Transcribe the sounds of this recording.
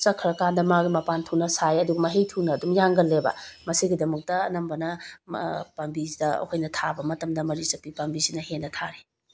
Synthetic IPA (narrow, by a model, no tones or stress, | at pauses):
sɐkʰɾɐkandɐmaɡimɐpantʰunɐsajɐduɡɐmɐɦejtʰunɐːdumjaŋɡɐlːebɐ̰mɐsiɡidɐmɐk̚tɐːnɐmbɐnɐ | pambizdɐɐ̰kʰojnɐtʰabɐmɐtɐmdɐmɐɾisɐpːipambisinɐhenːɐtʰaɾi